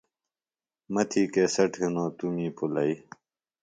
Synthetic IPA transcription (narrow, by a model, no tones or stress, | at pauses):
mɐt̪ʰiːkeːsɐʈʰinõːt̪umĩːpulɐi